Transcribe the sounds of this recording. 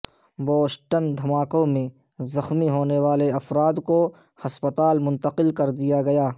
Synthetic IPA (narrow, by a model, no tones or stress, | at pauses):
boːsʈənd̪ʱɐmaːkõmẽ | zɐxmiɦoːneʋaːleɐfɾaːd̪ko | hɐspət̪aːlmʊ̃nt̪əqɪlkɐɾd̪ijaɡɐjaː